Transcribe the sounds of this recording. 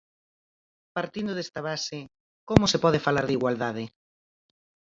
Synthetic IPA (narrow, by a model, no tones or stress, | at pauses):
paɾt̪ind̪oðest̪aβ̞asɪ | komʊsepɔð̞ɪfalaɾðiɣwald̪aðɪ